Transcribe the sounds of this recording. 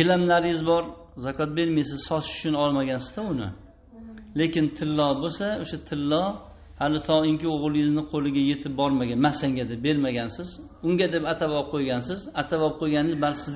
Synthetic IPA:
ɪlamlaɾɪjɪzbɒɾ | zakʰɒt̪̚be̞ɾmajs̬ɪz̥sɒt̪ɪʃʊ̥t͡ʃʰʊnɒlˠmaɡʲansɪzd̪aʊnɪ̰ | le̞kʲɪnt̪ʰɪlːɒbosaoʃat̪ʰɪlːɒ | halɪt̪ʰɒɪŋkʲɪoʁlˠɪjɪznɪqʰolɪɡʲaje̞t̪ʰɪp̚bɒɾmaɡʲanmasaŋɡʲad̪ep̚be̞ɾmaɡʲansɪz | ʊŋɡʲad̪e̞pat̪ʰabɒp̚qʰojɡʲansɪzat̪ʰavɒp̚qʰojɡʲanɪzbalsɪz

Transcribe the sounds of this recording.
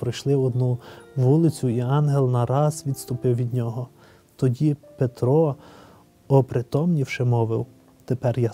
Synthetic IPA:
pɾɔjʃlˠɪɔd̪nuʋulˠɪt͡sʲʊiɑnɦelˠnɐɾɑzʋʲid̪st̪ʊpɪwʋʲid̪ʲnʲɔɦɔ | t̪ɔdʲipet̪ɾɔ | ɔpɾɪt̪ɔmnʲiwʃɪmɔʋɪw | t̪epɛrja

